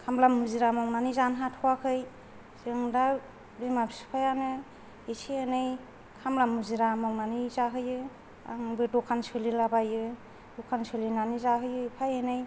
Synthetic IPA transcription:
kʰamlamuziɾamɔŋnanizanɦatʰɔwakʰɯj | z̥ɯŋda | bimabisu̥pʰajanɯ | isʰiɯnɯj | kʰamlamuziɾamaŋnanizaɦɯjɯ | a̰ŋbɯdɔkʰːansɯlilabajɯ | dɔkʰansɯlinanizaɦɯjɯipʰajɯnɯj

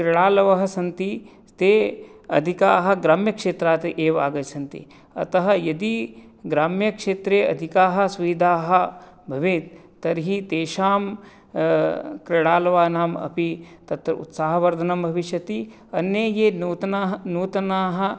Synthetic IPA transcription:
kɾɪɽaːlɐʋɐɦɐ̆sɐnt̪i | t̪eːɐ̰d̪ʱikaːɦɐ̆ɡɾaːmjɐkʂeːt̪ɾaːt̪ʔeːʋa̰ːɡɐsɐnt̪ḭ | ɐ̰t̪ɐɦɐjɐd̪iɡɾaːmjɐkʂeːt̪ɾeːɐ̰d̪ʱikaːɦɐ̆sʋɐid̪ʱaːɦɐ̆ | bʱɐʋeːt̪ː | ɐɾɦit̪eːʃaːm | kɾɪɽaːlɐʋaːnaːmɐ̰pit̪ɐt̪ɾɐṵt̪saːɦɐʋɐɾd̪ʱɐnɐmbʱɐʋiʃjɐt̪i | ɐnːjeːjeːnuːt̪ɐnaɦnuːt̪ɐnaːɦɐ̆

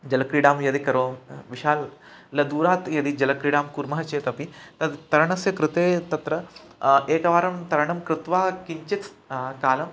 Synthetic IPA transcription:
d͡ʒɐlɐkɾiɽaːmjɐd̪ikɐɾoːmʋiʃaːlː | ɐd̪uːɾaːt̪jɐd̪id͡ʒɐlɐkɾiɽaːmkuɾmɐɦɐt͡ʃeːt̪ɐpit̪ɐt̪ɐɾɐɳɐsjɐkɾɪt̪eːt̪ɐt̪ɾɐeːkɐʋaːɾɐmt̪ɐɾɐɳɐmkɾɪt̪ʋaːkiɲt͡ʃit̪ʰkaːlɐm

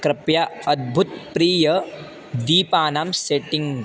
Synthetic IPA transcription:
kɾɐpjaɐd̪̚bʱut̪̚pɾiːjɐ | d̪iːpaːnaːmseʈĩŋ

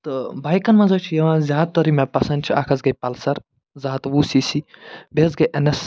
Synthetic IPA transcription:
t̪ɨbaːjkɐnmãzoːt͡ʃʰijɐʋãːzʲjaːd̪̚t̪ɐɾimɐpɐsɐ̃nd̪̚t͡ʃʰiʔaːkʰɐzɡɐjpɐlsɐɾ | zaːt̪ʋuːsiːsibezɡɐjʔɐnes

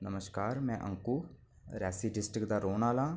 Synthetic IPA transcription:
nəməskaːɾmɛ̃ːʔə̰ŋkuː | ɾɛːsiːɖɪsʈɾɪkd̪aːɾoːnaːlãː

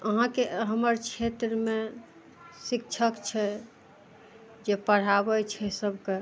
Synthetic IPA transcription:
əɦãkeɦəməɾt͡ʃʰet̪ɾəme | sik̚t͡ʃʰəkt͡ʃʰɛ | d͡ʒepəɽ̤abɛt͡ʃʰɛsəbʱke

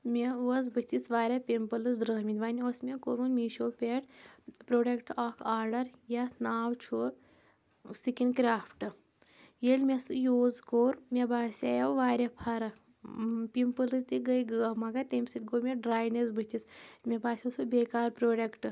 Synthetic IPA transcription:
mʲeuɐzbɨt̪isʋaːɾʲapʲimpɐlɨzd̪ɾəːɦmʲit̪ʋaːniosmʲekoːɾunmiːʃoːpʲeʈpɾoːɖekʈakʰaːɾɖɐɾjanaːwt͡ʃʰu | sikinkɾaːpʰʈɨ | jelʲmʲesɨjoːzkoːɾmʲebaːsʲajɐwʋaːɾʲapʰaːɾɐ | pʲimpəlɨzt̪iɡɐjɡəːmaɡat̪emʲsɨt̪̚ʲɡoːmʲeɖɾaːjnezbɨt̪ismʲebaːsʲɐsubeːkaːɾpɾoːɖekʈɨ

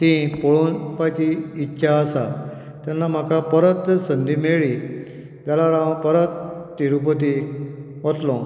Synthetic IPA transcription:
t̪ĩpoɭunpat͡ɕiːtːɕʰaəsa | t̪janːam̤akapəɾət̪sənd̪imeɭi | d͡zalaɾãʋpəɾət̪ːiɾupət̪i | ʋot̪lɔ̃

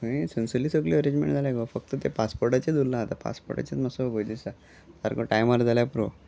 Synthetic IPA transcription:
ẽsənsəlisəɡliəɾẽɲd͡ʑmḛ̃ɳʈd͡zʱaljaɡofək̚t̪ət̪epaspoɾʈat͡ɕed̪ulːãt̪apa̰spo̰ɾʈa̰t͡ɕat̪məsoɡojd̪isa | t̪aɾkoʈajmaɾd͡zʱaljapɾo

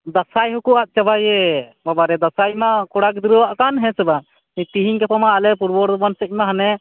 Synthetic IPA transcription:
d̪asajɦukuʔaʔ̚t͡ʃabajɛbabaɾɛd̪asajmakɔɽakd̪iɾəwaʔkanɦɛ̃sɛba | it̪iɦiɲkɛpɔmaʔalɛpuɾbɔɾd̪bansɛc̚maɦanɛ

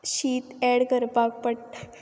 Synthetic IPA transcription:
ɕiːt̪ɛɽkəɾpak̚pəʈ

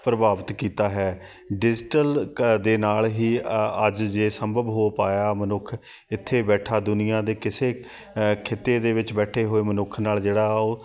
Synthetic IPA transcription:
pɾəbaːʋət̪kiːt̪aːɦɛː | ɖɪd͡ʒʈəld̪eːnaːlɦiːəd͡ʒd͡ʒeːsəmbʱəbɦoːpaːjaːmənʊkʰ | ɪt̪ʰːeːbɛːʈʰaːd̪ʊnɪjãːd̪eːkɪseː | kʰeːt̪ːeːd̪eːʋɪt͡ʃbɛːʈʰeːɦoːeːmənʊkʰnaːld͡ʒeːɽaːoː

